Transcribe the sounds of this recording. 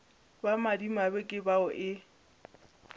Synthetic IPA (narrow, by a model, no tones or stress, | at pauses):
bamadimabɛkʼɪbaʊʔɪ